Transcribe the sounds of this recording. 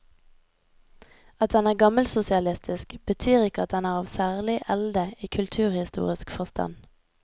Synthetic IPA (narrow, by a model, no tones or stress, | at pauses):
ɑt̪̚d̪ɛnæːʁɡɑməlsʊsɪɑlɪst̪ʰɪskb̥ət̪ʰyːʁɪkəɑt̪̚d̪ɛnæːʁɑːʋsæːʁlɪʔɛld̪əiːkʰʉlt̪ʰʉːʁhɪst̪ṵːʁɪskfɔʁst̪ʰɑ̰n